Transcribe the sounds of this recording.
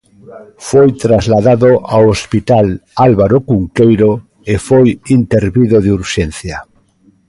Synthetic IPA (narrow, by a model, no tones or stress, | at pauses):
fojt̪ɾazlaðaðoʔawospit̪alalβaɾokuŋkejɾo | efojint̪eɾβiðoðeuɾʃɛn̟θja